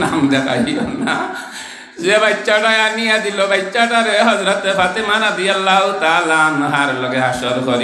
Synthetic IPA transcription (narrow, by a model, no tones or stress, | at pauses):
namd̪ak̪a̰ɦiɔna | d͡ʒebajt͡ʃːaʈaeaniad̪ilobajt͡ʃːaʈaɾeɦɔzɾɔt̪pʰat̪imanad̪ijalawt̪alanɔɦaɾɔlɔɡeɦasɔɾukɔɾi